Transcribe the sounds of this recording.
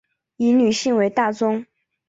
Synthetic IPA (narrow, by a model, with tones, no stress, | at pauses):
i˧˥ny˨˩ɕi˥˩ŋwe˧˥ɪt̪a˥˩t͡sʊ˥ŋ